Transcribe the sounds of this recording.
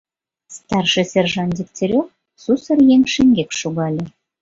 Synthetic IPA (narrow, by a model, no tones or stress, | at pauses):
st̪ɑrʃĕsʲerʒɑnd̪ʲik̚tʲeɾʲok | susərjeŋʃeŋɡekʃuɣɑlʲĕ